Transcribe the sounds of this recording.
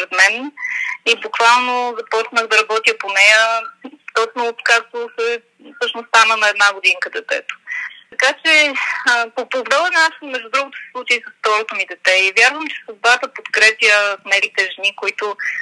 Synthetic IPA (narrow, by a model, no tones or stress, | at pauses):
pɾɛt̪mɛnibʊkvalˠnozɐpɔt͡ʃnəɣd̪ɐɾɐbɔt̪ʲjəponɛjət̪ɔt͡ʃnot̪kakt̪osɛ | fsɤʃnost̪anənɐɛd̪naɡod̪inkəd̪ɛt̪ɛ̰t̪o̥t̪ɐkat͡ʃɛ | popɾoɡ̪dɛlˠənnaʃmɛʒd̪ud̪ɾuɡot̪ʊ̥sɛ̥slˠut͡ʃeisəst̪ɔɾot̪omid̪ɛt̪ɛivʲjaɾvəmt͡ʃɛ̥səb̪bat̪əpot̪kɾɛpjəfnɛlit̪ɛʒɛnikʊit̪ʊ